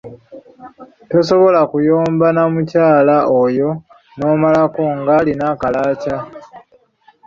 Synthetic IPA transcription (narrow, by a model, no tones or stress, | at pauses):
to̞so̞βo̞lakujoːmbanamucaːlaojo̞ | no̞ːmalako̞ŋɡaːlinakalaːca